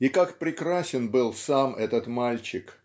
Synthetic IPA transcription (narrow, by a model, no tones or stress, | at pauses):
ikakpɾʲɪkɾasʲɪnbɨlˠsamɛt̪ət̪malʲt͡ɕɪk